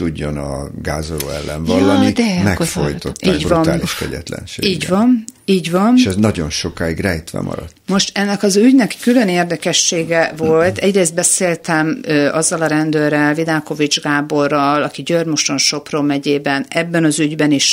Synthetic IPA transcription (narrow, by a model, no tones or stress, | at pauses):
t̪uɟːo̞nɒɡaːzolo̰ːɛlːɛɱvɒlːɒnimɛffojt̪ot̪ːiːɟbɾɒnaːliʃkɛ̰ɟɛ̰t̪lɛ̰nʃeːiːɟvvɒniːɟvɒnʃɛznɒɟo̞nʃo̞kaːiɡrɛjt̪ʋɛ̰mʔɒ̰ɾɒt̪mo̞ʃt̪ɛnːɛkɒzyɟnɛkkylø̞neːrd̪ɛkɛʃːeːɡɛvo̞lt̪ɛɟreːst̪̚bɛseːlt̪ɛmøːʔɒzːɒlɒɾɛnd̪øːrɛlvid̪aːko̞vid͡ʒɡaːbo̞rːɒlɒkiɟørmoʃo̞nʃo̞proːmɛɟeːbɛnɛbːɛnɒzyɟbɛniʃ